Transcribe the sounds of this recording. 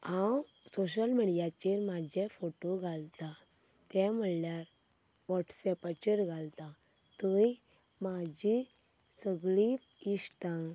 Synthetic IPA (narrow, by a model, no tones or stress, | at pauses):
ãw | soɕəlmiɽijat͡ɕeɾmad͡ʑʱefoʈoɡʱalt̪at̪ɛ̃m̤əɽljaɾʋɔʈsɛpat͡ɕiɾɡʱalt̪ãt̪əjmad͡ʑisəɡɭiist̪ã